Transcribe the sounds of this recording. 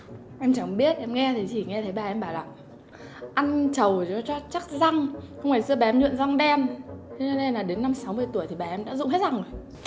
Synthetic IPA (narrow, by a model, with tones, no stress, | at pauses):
ʔɛ˧mt͡ɕa˧˩ŋɓi˦˥ət̚ʔɛ˧mŋɛ˧t̪ʰi˨˩t͡ɕi˧˩ŋɛ˧t̪ʰə˨˦jɓaː˨˩ʔɛ˧mɓaː˧˩wlaː˨˩ŋ | ʔa˧nt͡ɕə˨˩wt͡ɕɔ˨˦t͡ɕɔ˧t͡ɕa˦˥k̚za˧ŋxə˧wŋ͡mfaː˧˩jsɨ˧ə˧ɓaː˨˩ɛ˧mɲwḭ˧˨nza˧ŋɗɛ˧mʰ˧˦t͡ɕɔ˧ne˧nlaː˨˩ɗe˨˦nːa˧msa˨˦wmɨ˧əjt̪u˧˩əjt̪ʰi˨˩ɓaː˨˩ʔɛ˧mɗa̰ː˧˥zʊ̰˧˨ŋ͡mɦɛ˦˥t̚za˧˩ŋ˨˩